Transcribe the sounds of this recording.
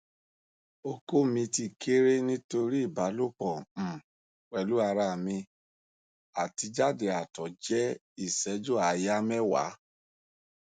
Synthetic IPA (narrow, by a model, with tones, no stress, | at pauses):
o˧ko˦˨mĩ˧ti˧kʰe˦ɾe˦nĩ˦to˧ɾi˦i˦˨ba˨˦lo˦˨k͡pɔ˨m̩˨ | k͡pɛ˨lu˨˦a˧ɾa˧˨mĩ˧ | a˨ti˧d͡ʒa˦de˨a˨tɔ˨d͡ʒɛ˦ | i˦˨sɛ˨˦d͡ʒo˦˨a˨ja˦mɛ˦wa̰˨˦